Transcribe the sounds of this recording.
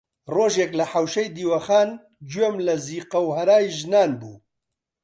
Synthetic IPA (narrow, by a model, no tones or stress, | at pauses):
roːʒeːklɐħawʃɐjd̪iːwɐxaːn | d͡ʒwemlɐziːqɐwhɐɾaːjʒnaːnbṵː